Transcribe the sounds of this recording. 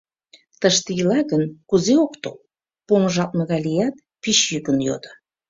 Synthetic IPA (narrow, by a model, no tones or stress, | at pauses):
t̪əʃt̪əjəlɑɣənkuzeokt̪o | poməʒɑlt̪nə̆ɣɑlʲijɑt̪̚ | piɕjykənjo̰d̪ə